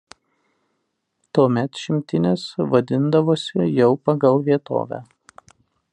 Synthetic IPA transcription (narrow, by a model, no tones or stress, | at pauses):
t̪uɔmʲɛt̪ʃʲɪmʲt̪ʲɪnʲesʋɐd̪ʲɪnd̪ɐʋoːsʲɪjɛʊpɐɡɐlˠʋʲiɛt̪o̰ːʋʲæ̰ː